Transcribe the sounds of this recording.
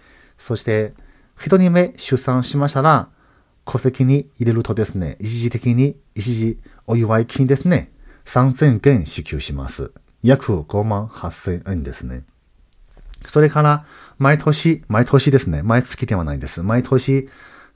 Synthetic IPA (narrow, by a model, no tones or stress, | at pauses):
so̞ɕi̥t̪e̞ | çʲit̪o̞ɲ̟ime̞ɕɨsãɰ̃ɕimaɕi̥t̪aɾa | kʰo̞se̞kʲiɲ̟iiɾe̞ɾɯ̟t̪o̞d̪e̞sɨne̞̰it͡ɕiʑit̪e̞kʲiɲ̟i | it͡ɕiʑi | o̞jɯβaikʲʰĩɲd̪e̞sɨne̞sãnzẽ̞ŋkẽ̞ɰ̃ɕikʲɨːɕima̰sɨ̰ | jakʰɯ̟ɡ̥o̞mãɰ̃hasːẽ̞ɰ̃ẽnd̪e̞sɨne̞̰ | so̞ɾe̞kaɾa | maet̪ʰoɕimaet̪ʰo̞ɕid̪e̞sɨne̞maet͡sɨ̥kʲid̪e̞βana̰id̪e̞sɨmaet̪ʰoɕi